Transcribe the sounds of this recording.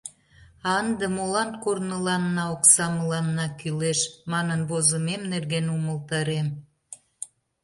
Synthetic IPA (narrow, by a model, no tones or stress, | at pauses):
ɑənd̪emolɑnkornəlɑnːɑoksɑməlɑnːɑkyleʃmɑnənβozəmemnerɣenuməlˠt̪ɑɾem